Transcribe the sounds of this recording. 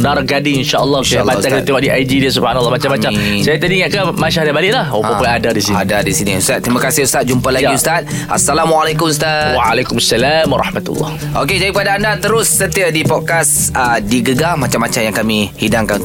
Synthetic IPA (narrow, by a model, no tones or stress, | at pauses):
narɡadiŋinʃaʔəlːɔʃajaalbat͡ʃakat̪eaʔdiʔajd͡ʒidias̬ubhanalːɔhmat͡ʃamːamasajat̪adiŋaʔkamaʃahdabalɪʔlahoəpuadadisiniadadisiniust̪at̪ːɾimãkasɪhust̪at̪̚d͡ʒumpalaɡiust̪at̪̚ | ʔa̰sːalamwalekʊmust̪awaalekumasːalamwaɾɑ̰ħmat̪ṵlːɔ̰h | ʔoked͡ʒadikpadaːndat̪əɾʊsːət̪iadipɔd̚kasədiɡəɡamat͡ʃamːat͡ʃamjaŋkamĩhidaŋkan